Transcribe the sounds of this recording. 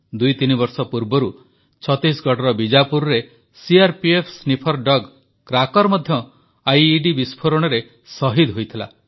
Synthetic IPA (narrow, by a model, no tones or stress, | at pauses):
d̪ujt̪inibɔɾsɔpuɾbɔɾu | t͡ʃʰɔt̪isɡʱɔʈɔɾɔbid͡ʒapuɾɾe | siaɾpiepʰsnipʰɔɾɖɔɡ | kɾakɔɾmɔd̪ʱjɔ | ajiɖibispʰoɾɔɽ̃ɔɾe | sɔɦid̪ɦojt̪ʰila̰